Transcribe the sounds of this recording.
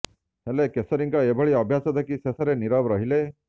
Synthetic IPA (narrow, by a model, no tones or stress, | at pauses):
ɦelekesɔɾiŋkaebʱəɭiʌbʱjasɔd̪ʱakisesaɾeniɾaʋɾəɦile